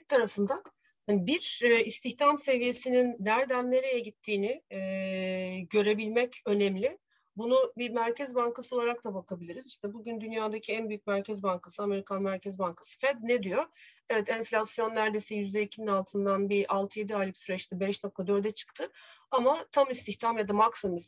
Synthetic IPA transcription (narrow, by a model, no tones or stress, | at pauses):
t̪ʰaɾafɯnd̪an | hanibiɾːist̪ʰiçt̪ʰamse̞vije̞sininːæɾd̪ænːe̞ɾejɛɟit̪ʰːiːnɪ | ɟø̞ɾe̞bilʲmɛcø̞nɛmlʲɪ | bunubimæɾcʰɛzbaŋkʰasɯo̞lˠaɾak̚t̪ʰabakʰabilʲiɾiziʃt̪ʰɛbuɟynd̪ynjaːd̪acʰiænbyjyc̚mæɾcʰɛzbaŋkʰasɯame̞ɾikʰanmæɾcʰɛzbaŋkʰḁsɯ̥fɛd̪̚ned̪ijo̞ | evɛt̪ʰɛɱflʲasjo̞nːæɾd̪e̞jsɛjyzd̪ɛicʰininalˠt̪ʰɯnd̪anbialˠt̪ʰɯje̞d̪iaːlʲiksyɾɛt͡ʃt̪ʰɛbɛʃno̞k̚t̪ʰad̪ø̞ɾd̪ɛt͡ʃʰɯ̥kt̪ʰɯamat̪ʰamist̪ʰiçt̪ʰamjad̪amaksɯmiz